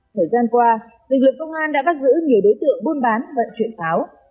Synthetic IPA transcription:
t̪ʰəː˨˩jzaː˧nkwaː˧ | lɨ̰˨˩k̚lɨ˨˩k̚ːə˧wŋ͡mʔaː˧nɗa̰ː˧˥faː˦˥t̚zɨ̰˧˥ɲi˨˩əwɗo˨˦jt̪ɨ̰˧˨əŋɓu˧ənɓaː˨˦nvə̰˧˨nt͡ɕwḭ˧˨ənfaː˨˦w

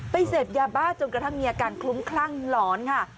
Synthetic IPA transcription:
pa˧jseː˨˩p̪̚jaː˧baː˥˩t͡ɕo˧nkɾa˧t̪ʰa˥˩ŋmiː˧ʔaː˧kaː˧nkʰlu˦˥mkʰlaː˥˩ŋlɔː˩˦nkʰa˥˩

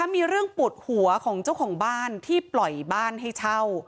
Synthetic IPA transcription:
a˦˥miː˧ɾɯ˥˩əŋpu˨˩ət̪̚hu˨˩˦ɐkʰɔː˩˦ŋt͡ɕa˥˩wkʰɔː˩˦ŋbaː˥˩nt̪ʰiː˥˩plɔ˨˩jbaː˥˩nɦa˥˩jt͡ɕʰa˥˩w

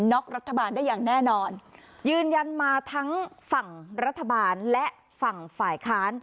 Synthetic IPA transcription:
nɔ˦˥k̚ɾa˦˥t̪ʰːa˧baː˧ndaː˥˩jaː˨˩ŋnɛː˥˩nɔː˧njɯː˧nja˧nmaː˧t̪ʰa˦˥ŋfa˨˩ŋɾa˦˥t̪ʰːa˧baː˧nlɛ˦˥ʔ | fa˨˩ŋfaː˨˩jkʰaː˦˥n

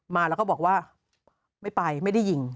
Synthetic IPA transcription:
maː˧lɛ˦˥kɔ˥˩bɔː˨˩kwaː˥˩ | ma˥˩jpa˧jma˥˩jda˥˩ji˨˩ŋ

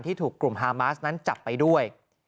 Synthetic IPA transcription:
nt̪ʰiː˥˩t̪ʰuː˨˩kːlu˨˩mɦaː˧maː˦˥sna˦˥nt͡ɕa˨˩pːa˧jdu˥˩əj

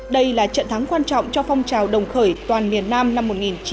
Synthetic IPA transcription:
ɗə˧jlaː˨˩t͡ɕə̰˧˨nt̪ʰa˨˦ŋkwaː˧nt͡ɕɔ̰˧˨wŋ͡mt͡ɕɔ˧fɔ˧wŋ͡mt͡ɕaː˨˩wɗə˨˩wŋ͡mxəː˧˩jt̪waː˨˩nmi˨˩ənːaː˧mna˧mːo˨˩t̚ŋi˨˩nt͡ɕ

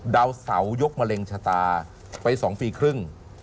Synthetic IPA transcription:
daː˧wsa̰˩˦wjo˦˥k̚ma˧le˧ŋt͡ɕʰaː˧t̪aː˧ | pa˧jsɔː˩˦ŋfiː˧kʰɾɯ˥˩ŋ

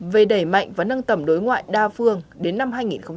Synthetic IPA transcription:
ve˨˩ɗə˧˩jma̰˧˨jŋvaː˨˩nə˧nt̪ə˧˩mɗo˨˦jŋwa̰ː˧˨jɗaː˧fɨ˧əŋɗe˨˦nːa˧mhɦaː˧jŋi˨˩nxə˧wŋ͡m

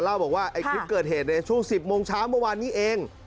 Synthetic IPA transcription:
la˥˩wbɔː˨˩k̚waː˥˩ʔa˧jkkʰi˦˥p̚kɤː˨˩t̪̚heː˨˩t̪̚na˧t͡ɕʰu˥˩əŋsi˨˩p̚moː˧ŋt͡ɕʰaː˦˥˩wmɯ˥˩˨waː˧nːiː˦˥ʔeː˧ŋ

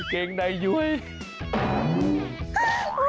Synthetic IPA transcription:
kɛ˧ŋɗə˧jzu˧əj

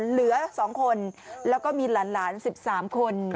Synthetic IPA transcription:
lɯ˩˦ɐsɔː˩˦ŋkʰo˧nlɛː˦˥wkɔː˥˩miː˧laː˩˦nlaː˩˦nsi˨˩p̚saː˩˦mkʰo˧n

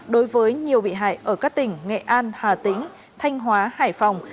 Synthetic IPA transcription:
ɗo˨˦jvəː˨˦jɲi˨˩əwɓḭ˧˨ɦa̰ː˧˨jʔəː˧˩kaː˦˥k̚t̪ï˨˩ŋ̟ŋɛ̰˧˨ʔaː˧nhaː˨˩t̪ï˨˦ŋ | t̪ʰa˧jŋ̟ɦwaː˨˦ha̰ː˧˩jfa˨˩wŋ͡m

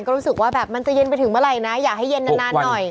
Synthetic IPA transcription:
nkɔː˥˩ɾu˦˥sɯ˨˩k̚waː˥˩bɛː˨˩p̚ma˧nt͡ɕa˨˩je˧npa˧jt̪ʰɯ˨˩˦ŋmɯ˥˩ɐɾa˧jna˦˥jaː˨˩k̚ha˥˩je˧nːa˧˩˦naː˥˩˧nɔ˨˩j

